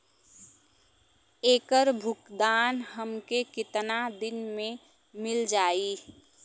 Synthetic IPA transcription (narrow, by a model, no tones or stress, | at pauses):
eːkəɾbʱʊkd̪aːnɦəmkekɪt̪nad̪ɪnmẽ | mɪld͡ʒaːi